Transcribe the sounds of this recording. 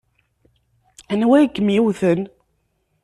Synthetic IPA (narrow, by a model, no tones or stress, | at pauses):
ænwæjkːəmjiwθən